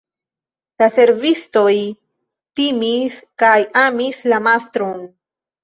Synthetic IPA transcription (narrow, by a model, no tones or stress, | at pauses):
lase̞ɾvisto̞j | timiskajamislamastɾo̞n